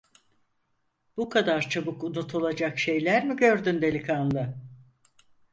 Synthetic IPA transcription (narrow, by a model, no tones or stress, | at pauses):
b̥ukʰad̪aɾt͡ʃʰabɯkunut̪ʰulˠad͡ʒakʃe̞jlʲæɾmiɟø̞ɾd̪ynd̪e̞lʲikʰanlˠɯ